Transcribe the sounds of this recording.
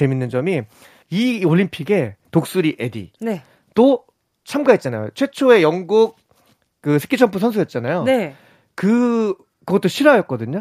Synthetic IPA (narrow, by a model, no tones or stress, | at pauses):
eminːɯnd͡ʑʌmi | ioʎːimpʰiɡe̞tok̚s͈uɾiʔe̞dḭne | to | t͡ɕʰamɡaɦet̚t͡ɕ͈anajo̰t͡ɕʰwe̞t͡ɕʰoe̞jʌŋɡuk̚ | k͈ɯsʰe̥k͈ʰit͡ɕʰʌmpʰusʰʌns̬ʰujʌt̚t͡ɕ͈anajone | kɯ | kɯɡʌt͈oɕʰiɾajʌt̚k͈ʌdɯɲo